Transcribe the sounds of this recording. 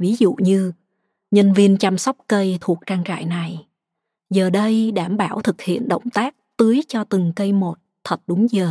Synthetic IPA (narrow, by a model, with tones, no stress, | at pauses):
vi˨˦zṵ˧˨ɲɨ˧ | ɲə˧nvi˧ənt͡ɕa˧msɔ˦˥wk͡p̚kə˧jt̪ʰu˨˩ək̚t͡ɕaː˧ŋt͡ɕa̰ː˧˨jna˨˩j | zəː˨˩ɗə˧jɗaː˧˩mɓaː˧˩wt̪ʰɨ˨˩k̚hḭ˧˨ənɗə̰˧˨wŋ͡mt̪aː˦˥k̚t̪ɨ˨˦əjt͡ɕɔ˧t̪ɨ˨˩ŋkə˧jmo˨˩t̚t̪ʰə˨˩t̚ɗʊ˨˦ŋ͡mzəː˨˩